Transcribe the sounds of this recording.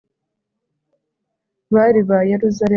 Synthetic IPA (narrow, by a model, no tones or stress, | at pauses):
βaɾiβajeɾuzaɾe